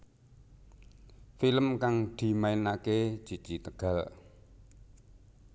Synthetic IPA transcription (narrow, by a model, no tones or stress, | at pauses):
filəmkaŋd̪̥i̤mainake̥ʒ̥i̤d̥ʒ̥i̤t̪əɡ̥ä̤l